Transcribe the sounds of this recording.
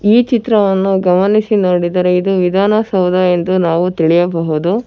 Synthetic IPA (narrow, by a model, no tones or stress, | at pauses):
iːt͡ʃit̪ɾɐʋɐnːuɡɐmɐnisinoːɽid̪ɐɾeid̪uʋid̪ʱaːnɐsɐwd̪ʱɐend̪unaːʋut̪iɭijɐbɐɦud̪u